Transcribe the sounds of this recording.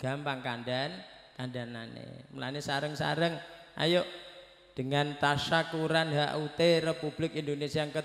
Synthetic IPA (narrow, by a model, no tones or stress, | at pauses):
ɡ̥a̤mpaŋkanɖan | kanɖananḛməla̰nisaɾəŋsa̰ɾəŋʔa̰joʔ | d̥əŋant̪aʃakuɾanɦa̰ʔut̪erepub̥lɪkind̪onesiaŋkə